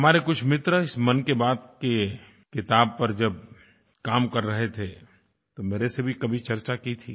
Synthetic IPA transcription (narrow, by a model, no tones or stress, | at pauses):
ɦɐmaːɾekʊt͡ʃʰmɪt̪ɾəɪsmɐnkebaːd̪̚ke | kɪt̪aːb̚pɐɾd͡ʒɐb | kaːmkɐɾːɐɦet̪ʰe | t̪omeːɾesebʱikɐbʱit͡ʃɐɾt͡ʃakit̪ʰḭː